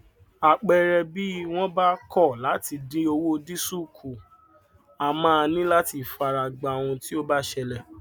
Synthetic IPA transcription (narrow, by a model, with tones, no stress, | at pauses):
a˨k͡pɛ˨ɾɛ˧bi˦w̃ɔ̃˦ba˦kɔ˦˨la˨˦ti˧de˨˦o˧wo˦˧di˦su˦˨kʰu˨ | a˨mãː˦a˧nĩ˦la˦ti˧˨fa˧ɾa˧˨ɡ͡ba˨w̃ũ˧ti˦o˦ba˦ʃɛ˧lɛ˨